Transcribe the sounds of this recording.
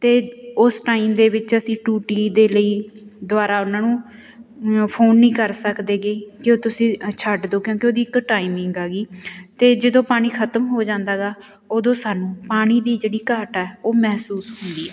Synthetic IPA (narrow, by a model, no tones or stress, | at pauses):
t̪eːʊsʈaːiːmd̪eːʋɪt͡ʃəsĩːʈuːʈiːd̪eːləiːd̪ʊaːɾaːʊnãːnũː | pʰoːnːĩːkəɾsəkd̪eːɡeːkɪoːt̪ʊsĩːt͡ʃʰəɖd̪oːkjõːkeoːd̪iːɪkʈaːɪmɪŋɡaːɡiːt̪eːd͡ʒəd̪õːpaːɽ̃iːkʰət̪əmɦoːd͡ʒãːnd̪aːɡaː | oːd̪õːsaːnũːpaːɽ̃iːd̪iːd͡ʒeːɽiːkaːʈɛɛːoːmɛɦsuːsɦʊnd̪iːɛː